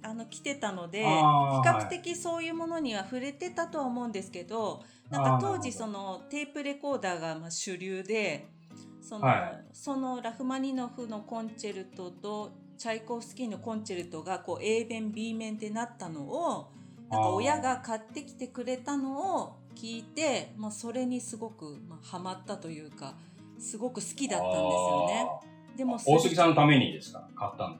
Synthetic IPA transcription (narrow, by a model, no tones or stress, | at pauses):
ano̞kʲi̥t̪e̞t̪ano̞d̪e̞çikakɯ̟̥t̪e̞kʲiso̞ːjɯ̟ːmo̞no̞ɲ̟iβaɸɯ̟ɾe̞t̪e̞t̪at̪o̞βaomo̞ɯ̃nd̪e̞sɨ̥ke̞d̪o̞ | nãŋkat̪o̞ːʑiso̞no̞t̪e̞ːpɯ̟ɾe̞ko̞ːd̪aːɡamaɕɨɾʲɯːd̪e̞ | so̞noso̞no̞ɾaɸɯ̟maɲ̟ino̞ɸɯ̟no̞kõ̞ɲt͡ɕe̞ɾɯ̟t̪o̞t̪o̞ | t͡ɕaiko̞ɸɯ̟sɨ̥kʲino̞kõ̞ɲt͡ɕe̞ɾɯ̟t̪o̞ɡako̞ːʔe̞ːbẽ̞mbʲiːmẽ̞nd̪e̞nat̪ːano̞ː | nak̪aojaɡakat̪ːe̞kʲi̥t̪e̞kɯ̟ɾe̞t̪ano̞ː | kʲiːt̪e̞moso̞ɾe̞ɲ̟isɨɡo̞kɯ̟mahamat̪ːat̪o̞jɯ̟ːka | sɨɡo̞kɯ̟sɨ̥kʲid̪atːãd̪esɨjone̞ | d̪e̞mo̞oːsekisãnːot̪ame̞ɲ̟id̪esɨ̥ka̰kat̪ːãn